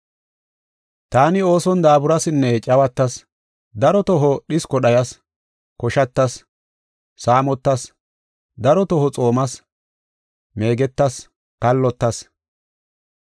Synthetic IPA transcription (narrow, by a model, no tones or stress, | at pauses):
t̪aːnɪo̞ːsɔnd̪aːbʊɾɐsɪnːɛt͡ʃʼɐwɐt̪ːɐs | d̪ɐɾɔt̪ɔɦɔɗɪskɔɗɐjɐs | kɔʃɐt̪ːɐsː | aːmɔt̪ːɐs | d̪ɐɾɔt̪ɔɦɔt͡sʼo̞ːmɐs | me̞ːɡɛt̪ːɐs | kɐlːɔt̪ːɐs